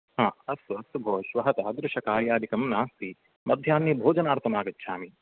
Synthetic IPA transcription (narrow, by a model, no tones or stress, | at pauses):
ɦãːɐsɐɐsubʱoːʃʋɐɦɐt̪aːd̪ɾɪʂɐkaːɾjaːd̪ikɐmnaːst̪i | mɐd̪ʱjaːnjɐbʱoːd͡ʒɐnaːɾt̪ʰɐmaːɡɐtːʃʰaːmi